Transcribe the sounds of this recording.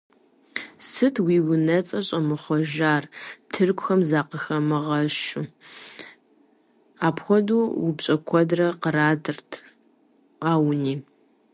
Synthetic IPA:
sɨtʰwiːwʊnɐt͡sʼɐɕʼɐmɨχʷɔʒaːrtʰɨrkʷʰʼxɐmzaːqəxɐmɨʁɐʃu | aːpʰxʷɔduːwʊbɕʼɐkʷʰɔdrɐqəɾaːdɨrtʰ | aːwniː

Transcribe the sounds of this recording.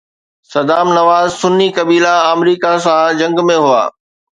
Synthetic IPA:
sɐd̪aːmnɐʋaːzsʊnːikɐbiːlaəːmɾiːkasãd͡ʑɐ̃ŋɡmẽɦʊa̰ː

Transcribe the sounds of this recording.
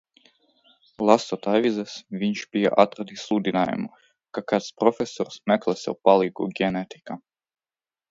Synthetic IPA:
lˠast̪ɔt̪ajvʲizɛsvʲiɲʃbija̰ʔat̪ɾad̪islˠud̪ʲinaːja̰mu | kakat̪spɾɔfʲesɔɾsmɛklˠɛsʲɛ̰upalˠiɡṵɡʲɛnɛt̪i̥ka

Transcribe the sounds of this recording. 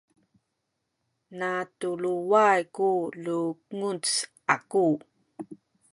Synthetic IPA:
natuluwajkuluŋut͡s | aku

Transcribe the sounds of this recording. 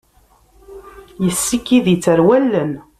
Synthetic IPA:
jəsːikːiðit͡sːəɾwælːən

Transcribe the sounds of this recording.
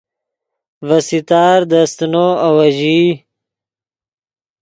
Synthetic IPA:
vɐsit̪aːɾd̪ɐst̪noːawɐʑiː

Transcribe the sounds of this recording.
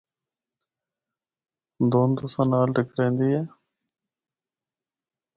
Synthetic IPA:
d̪oːnd̪uːsãːnaːlɖɪkɾɛ̃ːnd̪iːɦɛː

